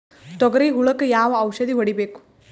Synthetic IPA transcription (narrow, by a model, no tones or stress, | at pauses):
t̪ɔɡɾiːɦuɭɐkjaːʋɐwʃɐd̪iʋɐɽibeːku̥